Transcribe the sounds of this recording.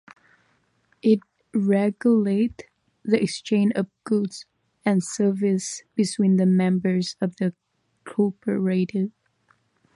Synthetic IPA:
ʔɪt̚ | ɹɛɡjʊleɪt | ðiɨkst͡ʃʰẽɪ̃nd͡ʒʌvɡ̥ʊdz̥ | ɨ̃nsɜ˞vɪsb̥ɨtʰw̥ĩnðɨmɛ̃mbə˞zʌvðɨ | kʰɔɹpʰə˞eɪɾɪd

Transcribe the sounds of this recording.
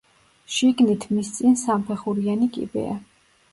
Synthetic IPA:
ʃiɡnit̪ʰmist̪sʼinsampʰɛχuɾianikʼḭbɛ̰a̰

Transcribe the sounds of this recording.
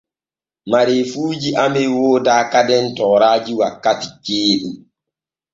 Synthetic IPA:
maɾefuːd͡ʒiʔamɛwoːdaːkadɛntɔːɾaːd͡ʒiwakːatikeːɗu

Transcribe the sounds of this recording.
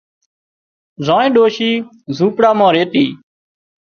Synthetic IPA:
zãːẽːɗoːʃiː | zũːpɽaːmãːɾeːt̪iː

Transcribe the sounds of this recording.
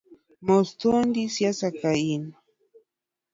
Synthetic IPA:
most̪und̪isjasakain

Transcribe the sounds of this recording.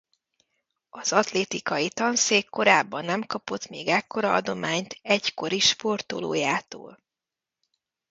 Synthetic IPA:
ɒz̥ɒt̪leːt̪ikɒjit̪ɒnseːkːo̞ɾaːbːɒnːɛmkɒpo̞t̪meːɡɛkːo̞ɾɒɒd̪o̞maːɲt̪ʰɛcko̞ɾiʃpo̞rt̪o̰lo̰ːjaːt̪o̰ːl

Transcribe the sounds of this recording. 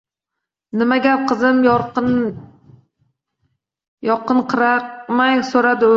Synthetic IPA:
nɪmaɡʲap̚qɨzɪm | jɒqɨnqʰɨɾamajsoɾad̪ɪ

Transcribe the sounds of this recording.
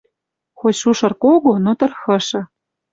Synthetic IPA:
xoʃuʃɤ̆rkoɣonot̪ɤ̆rxɤ̆ʃɤ̆

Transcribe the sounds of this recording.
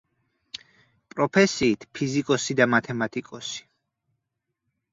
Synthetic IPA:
pʼɾɔpʰɛsiːt̪ʰpʰizikʼɔsid̪amat̪ʰɛmat̪ʼikʼɔsi̥

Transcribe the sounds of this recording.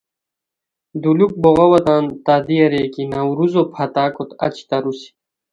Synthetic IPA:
d̪uluk̚boɣɐwɐt̪aːnt̪aːd̪iɐɾeːkinawɾuzopʰat̪aːkot̪ɐ̰t͡ɕi̥t̪ɐɾusi̥

